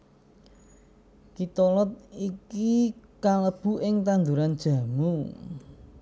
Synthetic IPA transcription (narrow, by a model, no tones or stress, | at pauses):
kit̪ɔlɔt̪̚ikikaləb̥ṳʔɪŋt̪and̪uɾand̥ʒ̥a̤mu